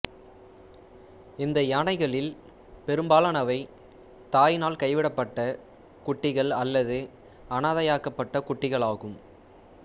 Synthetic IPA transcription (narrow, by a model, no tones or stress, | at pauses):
ɪnd̪ɐaːnɐɪɣɐɭɪl | pɛɾɯmbaːlɐnɐʋɐɪ | t̪aːjnaːlkɐɪʋɪɽɐpːɐʈːɐ | kʊʈːɪɣɐɭɐlːɐðɯ | ɐnaːðɐjaːkɐpːɐʈːɐkʊʈːɪɣɐɭaːɣɯm